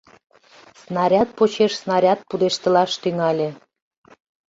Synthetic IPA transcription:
snɑɾʲɑt̪̚pot͡ɕeʃsnɑɾʲɑt̪̚pud̪eʃt̪ə̆lɑʃt̪yŋɑlʲĕ

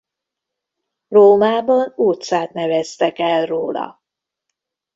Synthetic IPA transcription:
roːmaːbɒnuːt̪saːt̪nɛvɛst̪ɛkɛlroːlɒ̰

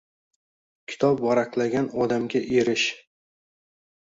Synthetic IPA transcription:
kʲʰɪ̥t̪ʰɒp̚bɒɾaqlˠaɡʲanɒd̪amɡʲaʔeɾɪʃ

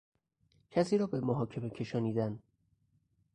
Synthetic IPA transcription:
cʰæsiːɾɒːbe̞moɦɒːcʰe̞me̞cʰe̞ʃɒːniːd̪æn

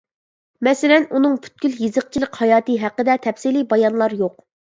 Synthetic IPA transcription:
mɛsɪlɛnunɨŋpʰy̥t̪̚kʲyljizəq̚t͡ʃʰiləqhɑjɑːt̪ɨɦæqːəd̪ɛt̪ʰɛpsilibɑjɑnlˠɑɾjoq̚

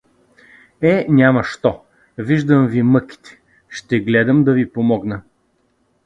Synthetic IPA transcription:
ɛnʲamɐʃt̪ɔ | viʒd̪əmvimɤki̥t̪ɛ̥ | ʃt̪ɛɡlɛd̪əmd̪ɐvipomɔɡnə

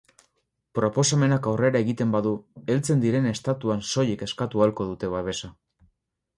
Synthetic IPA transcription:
pɾo̞po̞same̞nakawre̞ɾae̞ɣit̪e̞mbaðue̞lt͡se̞nd̪iɾe̞ne̞st̪at̪uanso̞je̞ke̞skat̪ualko̞ð̞ut̪e̞β̞aβ̞e̞sa

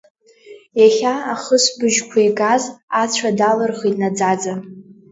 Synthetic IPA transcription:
jaχʲaaχəsbɨʒkʷʰaiɡazat͡ɕʷʰadalɨrχinad͡zad͡za

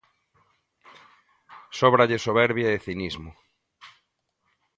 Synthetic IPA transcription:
sɔβɾaʎɪsoβɛɾβjaeθinizmʊ

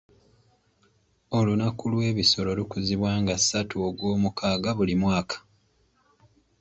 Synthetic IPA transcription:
o̞lunakulwe̞ːβiso̞lo̞lukuziβwaːŋɡasːatʰuoɡwoːmukʰaːɡaβulimwaːkʰḁ

